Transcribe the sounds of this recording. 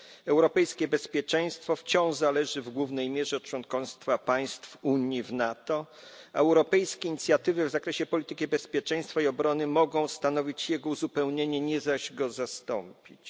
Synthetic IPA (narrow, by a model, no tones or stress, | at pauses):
ɛwɾɔpɛjskʲɛbɛspʲjɛt͡ʂɛj̃st̪fɔft͡ɕɔ̃w̃ʐzalɛʐɘvɡwuvnɛjmʲjɛʐɛɔt̚t͡ʂwɔ̃nkɔ̃st̪fapaj̃st̪fuɲjivnat̪ɔ | a̰ɛwɾɔpɛjskʲɛiɲit̪sʲjat̪ɘvɘvzakɾɛɕɛpɔlʲit̪ɘkʲibɛspʲjɛt͡ʂɛj̃st̪faiɔbɾɔnɘmɔɡɔ̃w̃st̪anɔvʲit͡ɕjɛɡɔuzupɛwɲeɲɛɲɛzaʑɡɔzast̪ɔmpʲit͡ɕ